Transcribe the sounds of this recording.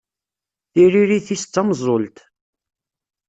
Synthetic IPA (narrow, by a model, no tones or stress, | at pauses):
θiɾiɾiθist͡sːɑmzˤolt̪